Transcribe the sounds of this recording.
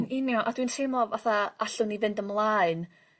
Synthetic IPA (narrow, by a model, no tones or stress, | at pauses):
nɪnjɔʔa̰dwintʰemɔvaθaaɬʊnivɪndəmlˠaːɨn